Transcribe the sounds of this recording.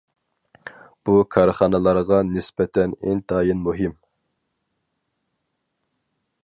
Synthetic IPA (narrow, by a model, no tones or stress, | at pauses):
b̥ukʰɑɾχɑnɨlˠɑɾʁɑnɪspɛt̪ʰɛnɪnt̪ʰɑːjinmuɦɪm